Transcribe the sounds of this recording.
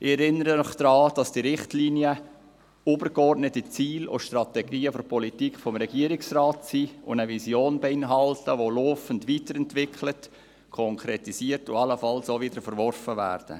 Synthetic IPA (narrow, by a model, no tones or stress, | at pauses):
ʔɪɛɾɪnːəɾənɔχd̥ɾɑːd̥ɑsd̥iːɾɪχtliːniə | obəɾɡɔrdnətit͡siːlʊ̰ʃtrɑt̪ɛɡiːəfɔɾpʰɔlitikχfɔmɾɛɡiəɾɪksrɑːtsiːʊ̰ndəvizjoːnbɛɪnɦɑltəʋoloːfəntʋiːtəɾɛntʋɪkχlət | kʰɔŋkʰɾɛtisiːəɾtʊɑləfɑlsovɪdəɾfəɾvɔrfəvæ̰ːrd̥ə̰